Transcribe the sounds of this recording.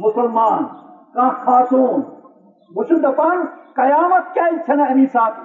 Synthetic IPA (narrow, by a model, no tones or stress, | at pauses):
mʊsɐlmaːnkãːxaːsoːn | mʊt͡ʃʰud̪ɐpaːnkɐjaːmɐt̪̚kʲjaːit͡ʃʰɐnɐɐniːsaːk̪ʰ